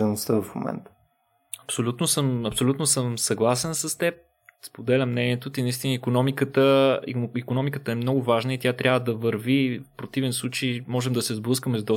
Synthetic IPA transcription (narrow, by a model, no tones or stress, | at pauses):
ənost̪ədofmo̰mɛ̰nt̪ə̥ | ɐpsolʲut̪nosəmɐpsolʲut̪nosəmsɐɡlˠasɛnsəst̪ɛp̚ | spod̪ɛlʲɐmːnɛniɛt̪ot̪inɐist̪inəikonɔmikət̪əḭikonɔmikət̪əɛmnɔɡʊvaʒnəit̪ʲjat̪ɾʲavəd̪ɐvəɾvifpɾot̪ivɛnslˠut͡ʃəjmɔʒɛmd̪ɐsɛzblˠɤskəmɛzd̪ɔ